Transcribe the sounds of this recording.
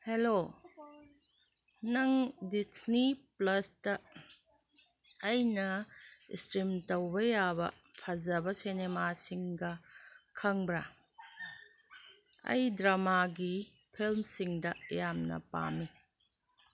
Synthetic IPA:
helo | nɐŋdisniplɐstɐ | jnɐḭstɾimtɐwbɐjabɐ̰ | pʰɐzɐbɐsinemasiŋɡɐkʰɐŋbɾa | ɐ̰jdɾɐmaɡi | pʰilmsiŋdɐjamnɐ̰pa̰mi

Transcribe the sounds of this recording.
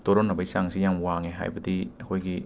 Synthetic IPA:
toɾɔnːɐbajsaŋsijamwaŋeɦa̰jbɐdiɐkʰojɡi

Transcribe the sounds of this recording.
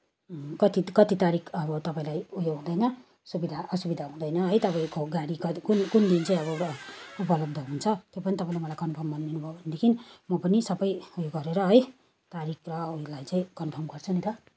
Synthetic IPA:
kʌt̪ikʌt̪it̪aɾikʰʌbʌt̪ʌpaĩlajujoɡɦũd̪ʌjnʌ | subid̪ʱaʔʌsubid̪ʱaɦũd̪ʌjnʌɦʌjt̪ʌpaĩkoɡaɽikʌkunkund̪int͡saĩʌβʌupʌlʌb̚d̪ʱʌɦunt͡sʰʌt̪jopʌnit̪ʌpãĩlajmʌlajkʌnpʰʌrmːʌninubʱoobʱʌned̪ekʰinimʌpʌnisʌbʌjujoɡʌɾeɾʌɦʌj | t̪aɾikʰrʌulajt͡sʌ̃ĩkʌnpʰʌrmɡʌrt͡sʰunit̪ʌ

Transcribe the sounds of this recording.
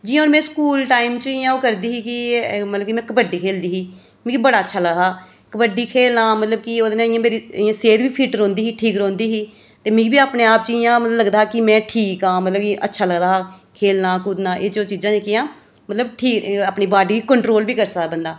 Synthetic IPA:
d͡ʒɪãoːɾmɛ̃ːskuːlʈaːɪmt͡ʃəɪjãːoːkəɾd̪iːɦiːkɪmət̪ləb̚kimɛ̃ːkəpəɖiːkʰeːld̪iːɦiː | mĩkibəɽaːətːʃʰaːləɡɦaː | kəpəɖiːkʰeːlnãːmət̪ləb̚kɪoːd̪nẽːɪjãːmeːɾiːɪjãːseːt̪ʋiːpʰiːʈɾɔ̃ːnd̪iːɦiːʈʰiːkɾõːnd̪iːɦiː | t̪eːmĩːkbiːaːpneːaːp̚t͡ʃɪjãːmət̪lbləɡd̪aːkɪmɛ̃ːʈʰiːkãːmət̪ləb̚kɪʔə̰tːʃʰaːləɡd̪aːɦːkʰeːlnãːkʊd̪nãːʔeːd͡ʒoːt͡ʃiːzãːd͡ʒeːkɪjãː | mət̪ləb̚ʈʰiːkaːpniːbaːɖiːiːkəɳʈɾoːlbiːkəɾsəabənd̪aː

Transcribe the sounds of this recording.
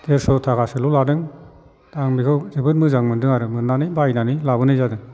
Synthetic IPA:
deɾsɔtʰaɡasɯluladɯŋ | daŋmikʰɯwzɯbɯt̚mɯzaŋmɯndɯŋaɾɯmɯnːanɯjbajnanilabɯnɯjzadɯŋ

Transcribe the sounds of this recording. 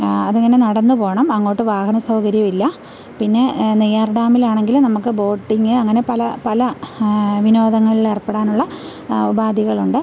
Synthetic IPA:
ɐðeŋːɐne̞nɐɽɐnːɨpo̞ːɳɐmɐŋːo̞ːʈːɨʋaːhɐnɐsɐwkɐɾjɐʋilːɐ | pinːe̞nijaːrɖaːmilaːɳe̞ŋɡilmnɐmukːɨbo̞ːʈːiŋɡɨɐŋːɐne̞pɐlɐpɐlɐ | ʋinoːd̪ɐŋːɐɭileːrpːeɽaːnuɭːɐ | ubʱaːd̪ʱiɣɐɭuɳɖɨ

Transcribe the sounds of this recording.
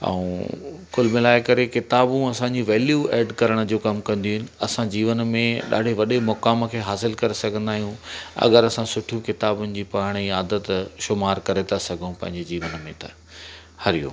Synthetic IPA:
ɐ̰ũkʊlmɪlaːɪkɐɾekɪt̪aːbũɐsãɲd͡ʑiʋeːljueːɖkɐɾəɽ̃ə̆d͡ʑoːkɐmkɐ̃nd̪iuɦɪnɪ̆ɐsãd͡ʑiːʋənmẽɗa̰ːɖ̤ʱeʋɐɗemʊkaːmkʰeːɦaːsɪlkɐɾesɐɡʱə̃nd̪aːɦijũɐ̰ɡəɾɐsãsʊʈʰijũkɪt̪aːbʊnɪ̆d͡ʑiːpaːɽ̃iaːd̪ət̪ʃʊmaːɾkɐɾet̪ʰasɐɡʱũpɐ̃ɦɪ̃ɲd͡ʑed͡ʑiːʋənmẽt̪ɐ | hɐɾijo̰

